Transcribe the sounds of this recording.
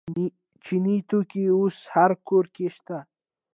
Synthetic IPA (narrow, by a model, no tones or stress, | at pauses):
t͡ʃinit̪ukiushaɾkoɾkeʃt̪a